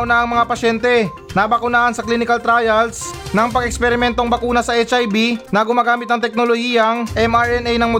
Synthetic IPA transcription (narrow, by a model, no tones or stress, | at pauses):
wnɐʔɐŋmɐŋapɐʃɛnt̪ɛ | nabɐkʊnaːʔɐnsɐklinɪkɐlt̪ɾajɐlsnɐŋpɐŋɛkspɛɾɪmɛnt̪oŋbɐkuːnɐsɐʔɛt͡ʃʔajbinɐɡʊmaːɡaːmɪt̪̚nɐŋt̪ɛk̚nolohiːjɐŋʔɛmaɹʔɛnɛjnɐŋmo